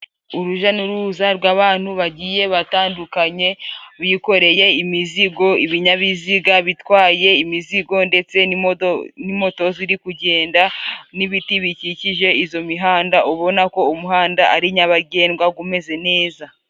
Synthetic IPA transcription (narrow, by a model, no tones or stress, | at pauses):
uɾuʒanuɾuːzaɾɡwaːβaːn̥huβaɟiːje̞βataːndukaɲe̞βiko̞ɾe̞je̞imiziɡo̞iβiɲaβiziɡaβitwaːje̞imiziɡo̞nde̞t͡se̞ | nimo̞to̞ziɾikuɟe̞ːndaniβitiβiciciʒe̞izo̞miɦaːndaʔuβo̞nako̞ːmuɦaːndaaɾiɲaβaɡe̞ːnɡwaɡume̞ze̞ne̞ːza